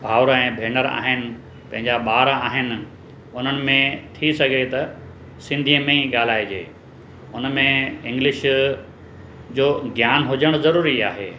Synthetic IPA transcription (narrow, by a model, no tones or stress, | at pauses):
bʱaːʊɾɛ̃ːbʱeːnəɾa̰ːɦɪnɪ̆ | pɐ̃ɦɪ̃ɲd͡ʑaɓaːɾaːɦɪnɪ̆ | ʊn̤ənɪ̆mẽt̪ʰisɐɡʱet̪ɐ | sɪ̃nd̪ʱiə̃mẽiɠaːl̤aːid͡ʑeː | ʊnmẽɪ̃ŋɡlɪʃ | d͡ʑoːɡʱjaːnɦʊd͡ʑəɽ̃zɐɾuːɾiaːɦḛː